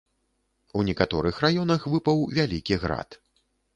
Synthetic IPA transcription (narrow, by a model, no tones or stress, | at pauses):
unʲɛkat̪ɔɾɨxrajɔnɐxvɨpɐwvʲalʲikʲiɣɾa̰t̪